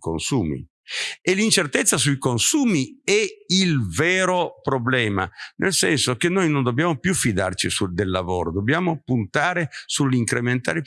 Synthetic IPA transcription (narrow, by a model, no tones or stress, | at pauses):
ko̰nsuːmḭ | elːint͡ʃert̪et̪sːasujkonsuːmiɛilveːɾopɾoblɛːma̰nʔḛlsɛnsokenːojnond̪objaːmopjufid̪a̰rt͡ʃisud̪elːavoːɾod̪obːjaːmopunt̪aːɾesulːiŋkɾement̪a̰ːɾe